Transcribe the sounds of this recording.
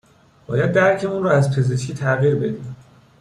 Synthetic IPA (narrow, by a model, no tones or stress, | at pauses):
b̥ɒːjæd̪̚ːæɾcʰe̞uːnrɔːæzpʰe̞ze̞ʃkʰiːt̪ʰæɣiɾbe̞d̪iːm